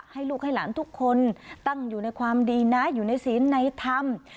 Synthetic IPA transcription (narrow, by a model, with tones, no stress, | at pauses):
ha˧jlu˧˥k̚ha˧jla̰ː˨˧˩nt̪ʰʊ˦˥k̚xo˧nt̪a˧ŋzu˨˩na˧jxʰwaː˧mɗi˧naː˧˥jzu˨˩na˨˧˩jsi˨˦ənːa˧jt̪ʰa˧m